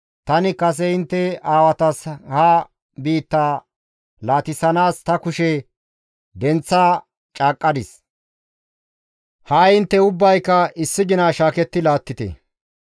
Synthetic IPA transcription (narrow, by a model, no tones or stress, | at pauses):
t̪ɐnɪkɐs̬ɛɪnt̪ːɛaːwɐt̪ɐshaː | biːt̪ːaː | laːt̪ɪsɐnaːst̪ɐkʊʃɛ | d̪ɛnt͡sːaː | t͡ʃʼaːkʼːɐd̪ɪs | hɐjɪnt̪ːɛʊbːɐjkːɐɪsːɪɡɪnaːʃaːkɛt̪ːɪlaːt̪ːɪt̪ɛ̰